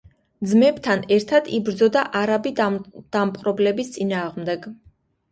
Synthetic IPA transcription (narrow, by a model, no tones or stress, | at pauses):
d̪zmɛbt̪ʰanɛɾt̪ʰad̪̥ibɾd̪zɔd̪aʔaɾabid̪̥ampʼɾɔblɛbist̪sʼinaːʁmd̪ɛɡ